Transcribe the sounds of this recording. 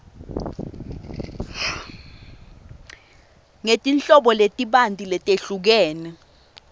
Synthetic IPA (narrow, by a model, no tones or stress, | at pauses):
ŋetʼint͡ɬʼɔɓɔletʼiɓantʼilɛtʼeɬuk̬ɛːnɛ